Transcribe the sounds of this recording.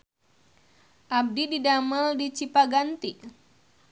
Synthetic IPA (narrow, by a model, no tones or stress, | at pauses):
ʔab̚dididaməldit͡ʃipaɡant̪iʔ